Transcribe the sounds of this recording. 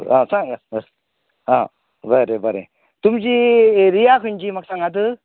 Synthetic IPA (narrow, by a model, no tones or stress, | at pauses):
asaŋa | a | baɾebaɾḛ | t̪umd͡ʒiɾijakʰɯnd͡ʒimak̚saŋad̪ɯ